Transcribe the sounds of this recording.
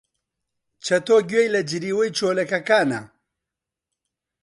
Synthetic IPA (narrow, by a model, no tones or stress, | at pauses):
t͡ʃʰɐt̪oːɡɥejlɐd͡ʒiɾiːwɐjt͡ʃʰoːlɐkɐkaːnɐ̰